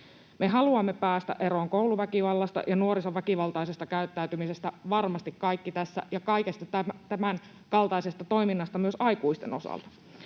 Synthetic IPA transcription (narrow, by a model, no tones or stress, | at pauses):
me̞ɦɑluɑmːe̞pæːst̪æ̰ʔe̞ɾo̞ːŋko̞wluʋækiʋɑlːɑst̪ɑ̰jɑnuo̞ɾiso̞ʋækiʋɑlt̪ɑise̞st̪ɑkæyt̪ːæyt̪ymise̞st̪æʋɑrmɑst̪ikkɑjkːit̪æsːæ̰jɑkɑike̞st̪ɑt̪æmt̪æmæn | kɑlt̪ɑise̞st̪ɑt̪o̞jminːɑst̪ɑmyø̞sɑjkuist̪e̞̰no̞sɑ̰lt̪ɑ̥